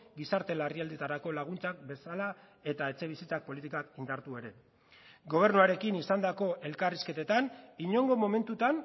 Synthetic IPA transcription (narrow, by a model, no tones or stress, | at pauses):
ɡisaɾt̪e̞lariald̪et̪aɾako̞laɣ̞unt͡sak̚be̞sala | e̞t̪ae̞t͡se̞β̞isit͡sak̚po̞lit̪ikakind̪aɾt̪ue̞ɾe̞ | ɡo̞β̞e̞ɾnuaɾe̞kinisand̪ako̞ʔe̞lkariske̞t̪e̞t̪aniɲo̞ŋɡo̞mo̞me̞nt̪ut̪an